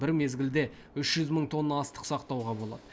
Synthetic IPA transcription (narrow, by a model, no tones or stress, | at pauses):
bɪɾme̞zɡʲɪld̪e̞ | ʏʃʒ̥ʏzməɴt̪ʰo̞nːəɑst̪ə̥qsɑqt̪ɑwʁɑbo̞lˠɑ̰d̪ə